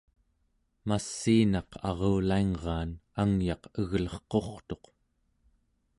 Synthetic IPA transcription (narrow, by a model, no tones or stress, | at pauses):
masːiːnɑqʰɑ̰ʁoːlaiŋʁɑːnaŋjɑqəɣlʌχqo̞χt̪o̞q